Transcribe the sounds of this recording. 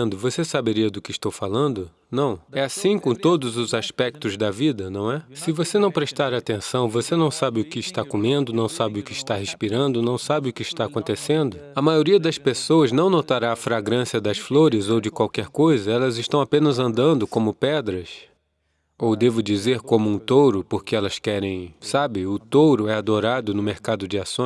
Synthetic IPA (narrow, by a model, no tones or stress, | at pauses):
nd̪ʊvosesabeɾiɐd̪ʊkɪːʃt̪owfalɐ̃nd̪ʊ | nɐ̃w̃ɛasĩkõt̪od̪ʊzʊzaspɛk̚t̪ʊzd̪ɐvid̪ɐnɐ̃w̃ɛsɪvosenɐ̃w̃pɾeʃt̪aɾɐat̪ẽsɐ̃w̃vosenɐ̃w̃sabɪʊkɪːʃt̪akomẽnd̪ʊnɐ̃w̃sabɪʊkɪːʃt̪aheʃpiɾɐ̃nd̪ʊnɐ̃w̃sabɪʊkɪiʃt̪aːkõnt̪esẽnd̪ʊɐmajoɾiɐd̪ɐspesowɐznɐ̃w̃not̪aɾaːfɾaɡɾɐ̃siɐd̪ɐsfloɾɪzowd͡ʒɪkwawkɛɾkojzɐɛlɐzɪʃt̪ɐ̃w̃apẽnɐzɐ̃nd̪ɐ̃nd̪ʊkõmʊpɛd̪ɾɐs | owd̪evʊd͡ʒizeɾkõmʊũt̪owɾʊpoɾkɪɛlɐskɛɾẽj̃sabɪʊt̪oɾʊɛad̪oɾad̪ʊnʊmeɾkad̪ʊd͡ʒɪasõ